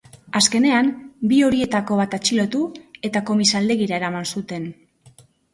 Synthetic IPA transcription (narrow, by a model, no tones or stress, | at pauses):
aske̞ne̞ambio̞ɾie̞t̪ako̞β̞at̪at͡ʃilo̞t̪ue̞t̪ako̞misald̪e̞ɣiɾae̞ɾamansut̪e̞n